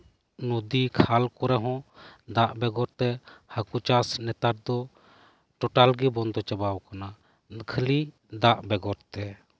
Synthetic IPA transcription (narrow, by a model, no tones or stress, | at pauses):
nud̪ikʰalkɔɾɛɦɔ̃d̪aʔbɛɡɔɾt̪ɛhakut͡ʃasnɛt̪aɾd̪ɔ | ʈɔʈalɡibɔnd̪ɔt͡ʃɛbawkana | kʰəli | d̪aʔbɛɡɔɾt̪ɛ